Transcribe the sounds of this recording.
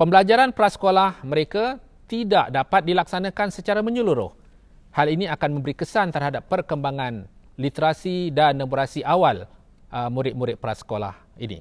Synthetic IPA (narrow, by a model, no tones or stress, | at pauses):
pəmbəlad͡ʒaɾanpɾasə̥kolahmə̃ɾeka | t̪idaʔdapat̪̚dilaksanãkansət͡ʃaɾamə̃ɲuluɾʊ̰h | halinĩakanmə̃mbəɾikəsant̪ərhadapːərkəmbaŋãn | lit̪əɾasidanːãbuɾasiʔawal | ʔəmuɾɪt̪̚muɾɪt̪̚pəɾa̰sə̥kola̰h | ḭnḭ